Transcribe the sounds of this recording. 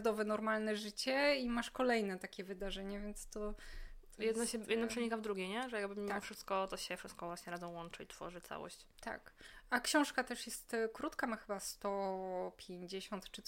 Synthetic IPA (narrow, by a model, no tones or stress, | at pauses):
d̪ɔvɛnɔɾmalnɛʐɘt͡ɕɛimaʂkɔlɛjnɛt̪akʲɛvɘd̪aʐɛɲɛvʲjɛnt̪st̪ɔt̪jɛd̪nɔɕɛjɛd̪nɔpʂɛɲikavd̪ɾuɡʲejɲɛʐɛjaɡ̚bɘmʲːiamɔfʂɘst̪̚kɔt̪ɔɕɛfʂɘst̪̚kɔvwaɕɲɛɾadzɛ̃w̃wɔnt͡ʂait̪fɔ̰ʐɘt̪sa̰wɔ̰ɕt͡ɕt̪a̰kakɕɔ̃w̃ʂkat̪ɛʂjɛst̪kɾut̪kamaxɘbast̪ɔpʲjeɲd͡ʑeɕɔnt̪t͡ʂɨ